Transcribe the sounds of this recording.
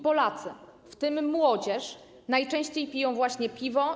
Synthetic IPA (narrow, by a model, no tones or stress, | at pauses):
pɔlat̪sɘ | ft̪ɘmːwɔd͡ʑɛʂ | najt͡ʂɛ̃ɕt͡ɕejpʲijɔ̃w̃vwaɕɲɛpʲivɔ